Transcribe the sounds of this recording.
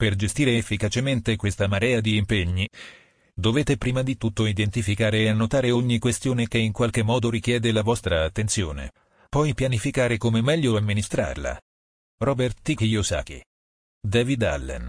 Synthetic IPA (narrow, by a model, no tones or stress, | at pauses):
perd͡ʒest̪iːɾeːfːikat͡ʃement̪ekwest̪amaɾɛːad̪iːmpeɲːi | d̪oveːt̪epɾiːmad̪it̪ut̪ːoid̪ent̪ifikaːɾeːanːot̪aːɾeoɲːikwest̪joːnekeiŋkwalk̟emːɔːd̪oɾik̟jɛːd̪elavɔst̪ɾaːt̪ːent̪sjoːnḛ | pɔjpjanifikaːɾekomemɛʎːoamːinist̪ɾa̰rla̰ | rɔːbert̪ikijosa̰ːk̟ḭ | d̪ɛːvid̪a̰lːɛ̰n